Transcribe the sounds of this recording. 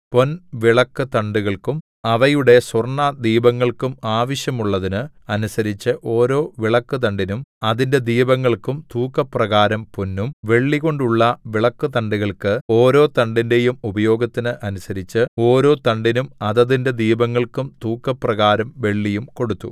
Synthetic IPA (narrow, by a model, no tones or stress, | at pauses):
po̞nʋiɭɐkːɨt̪ɐɳɖuɣɐɭkum | ɐʋɐjuɽe̞swɐrɳɐd̪iːbɐŋːɐɭkumaːʋɐɕjɐmuɭːɐðinɨɐnusɐɾit͡ɕːɨʔo̞ːɾo̞ːʋiɭɐkːɨt̪ɐɳɖinumɐðinde̞d̪iːbɐŋːɐɭkumt̪uːkːɐprɐɣaːɾɐmponːumʋe̞ɭːiɣo̞ɳɖuɭːɐʋiɭɐkːɨt̪ɐɳɖuɣɐɭkɨo̞ːɾo̞ːt̪ɐɳɖinde̞jumubɐjo̞ːɡɐt̪ːinɨʔɐnusɐɾit͡ɕːɨo̞ːɾo̞ːt̪ɐɳɖinumɐðɐðinde̞d̪iːbɐŋːɐɭkumt̪uːkːɐprɐɣaːɾɐmʋe̞ɭːijumko̞ɽut̪ːṵ